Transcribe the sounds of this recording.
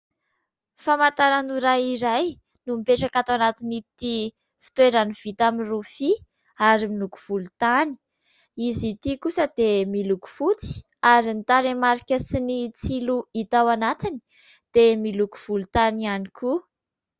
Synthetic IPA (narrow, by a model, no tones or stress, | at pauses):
famant̪aɾanuɾajiɾaj | numipeʈ͡ʂakat̪awanat̪init̪i | fi̥t̪weɾaniv̥it̪aminrufi | aɾimiluku̥v̥ulut̪ani̥ | izit̪ikusəd̪̥emiluku̥fut͡si̥ | aɾint̪aɾemaɾikʲəsinit͡siluit̪awanat̪ini̥ | d̪̥emiluku̥v̥ulut̪anianikʰu